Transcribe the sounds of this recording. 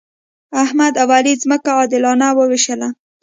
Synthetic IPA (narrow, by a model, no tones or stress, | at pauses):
ahmad̪awalizməkaɑd̪ɪlɑnawəwiʃəla